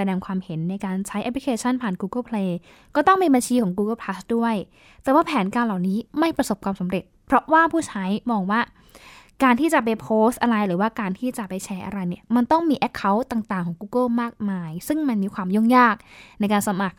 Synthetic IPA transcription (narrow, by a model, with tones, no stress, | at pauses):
sa˧dɛː˧ŋkʰwaː˧mhe˩˦nːa˧jkaː˧nt͡ɕʰa˦˥jʔɛ˦˥pʰli˦˥kʰeː˧t͡ɕʰa˥˩npʰaː˨˩nkuː˧kɤ˥˩pʰleː˧ | kɔː˥˩t̪ɔ˥˩ŋmiː˧ba˧nt͡ɕʰiː˧kʰɔː˩˦ŋkuː˧kɤ˥˩pʰla˦˥sdu˥˩əj | t̪ɛː˨˩waː˥˩pʰɛː˩˦nkaː˧nla˨˩wniː˦˥ma˥˩jpɾa˧so˨˩p̚kʰwaː˧msa˩˦mɾe˨˩t̪̚pʰɾɔ˦˥ʔwaː˥˩pʰuː˥˩t͡ɕʰa˦˥jmɔː˧ŋwaː˥˩ | kaː˧nt̪ʰiː˥˩t͡ɕa˨˩pa˧jpʰoː˦˥st̪̚ʔa˧ɾa˧jɾɯː˩˦waː˥˩kaː˧nt̪ʰiː˥˩t͡ɕa˨˩pa˧jt͡ɕʰɛː˦˥ʔa̰˧ɾa˧jni˥˩ɐma˧nt̪ɔ˥˩ŋmiː˧ʔɛ˦˥kkʰːa˦˥wt̪aː˨˩ŋt̪aː˨˩ŋkʰɔː˩˦ŋkuː˧kɤ˥˩maː˥˩k̚maː˧jsɯ˥˩ŋma˧nmiː˧kʰwaː˧mju˥˩ŋjaː˥˩k̚na˧jkaː˧nsa˧ma˨˩k̚